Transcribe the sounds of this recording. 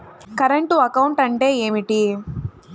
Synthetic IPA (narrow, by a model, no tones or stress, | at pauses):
kɐɾɐɳʈuɐkɐwuɳʈɐɳʈe̞ːeːmiʈi